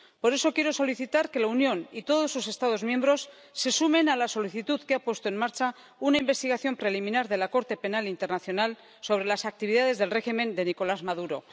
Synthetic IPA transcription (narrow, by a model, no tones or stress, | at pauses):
po̞ɾe̞so̞kje̞ɾo̞so̞liθit̪aɾke̞launjõ̞nit̪o̞ðosuse̞st̪aðo̞zmjẽ̞mbɾo̞sː | e̞sume̞nalaso̞liθit̪uðkeapwe̞st̪o̞enmaɾt͡ʃa | unaimbe̞st̪iɣ̞aθjo̞mpɾe̞limĩnaɾðe̞lako̞ɾt̪e̞pe̞nalint̪eɾnaθjo̞nal | so̞βɾe̞lasak̚t̪iβ̞iðaðe̞zðe̞lre̞ximẽ̞nd̪e̞niko̞lazmaðuɾo̞̰